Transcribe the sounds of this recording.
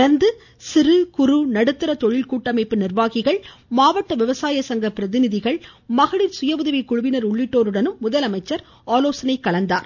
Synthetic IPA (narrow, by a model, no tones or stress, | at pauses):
ɐɾnd̪ɯ | sɪɾɯkʊɾɯnɐɽɯt̪ːɯɾɐt̪ɔɻɪlkuːʈːɐmɐɪpːɯnɪrʋaːɣɪɣɐɭmaːʋɐʈːɐʋɪʋɐsaːjɐsɐŋɡɐpɪɾɐðɪnɪðɪɣɐɭmɐɣɐɭɪɾsʊjɐʋʊðɐʋɪkʊɻʊʋɪnɐɾʊɭːɪʈːoːɾɯɽɐnɯmːʊðɐlɐmɐɪt͡ʃːɐɾ | aːloːsɐnɐɪkːɐɭɐnd̪aːɾ